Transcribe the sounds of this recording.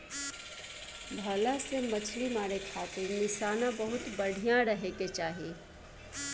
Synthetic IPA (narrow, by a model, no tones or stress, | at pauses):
bʱɐːlãsemɐt͡ʃʰlimaːɾekʰaːt̪ɪɾnɪʃaːnãbəɦʊt̪bɐɽ̤ʱijãɾɐɦeːket͡ʃaːɦieː